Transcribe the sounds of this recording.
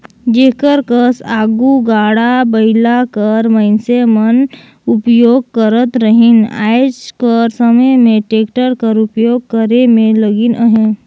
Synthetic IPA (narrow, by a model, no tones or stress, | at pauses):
d͡ʒeːkəɾkəsaːɡuɡaːɽabəɪlakəɾməɪnsemən | ʊpjoːɡ̚kəɾət̪ɾəɦɪna̰ːjd͡ʒkəɾsəməjmẽʈeːkʈəɾkəɾʊpjoːɡ̚kəɾemẽləɡɪnəɦẽ